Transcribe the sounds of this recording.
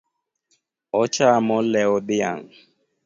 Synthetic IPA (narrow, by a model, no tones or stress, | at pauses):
ɔt͡ʃamɔlɛɔdɪa̰ŋ